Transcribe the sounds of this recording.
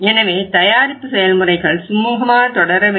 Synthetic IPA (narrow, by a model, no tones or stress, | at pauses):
ɛnɐʋeːt̪ɐjaːɾɪpːɯsɛjɐlmʊrɐɪɣɐɭsʊmuːɣɐmaːnɐt̪ɔɽɐɾɐʋ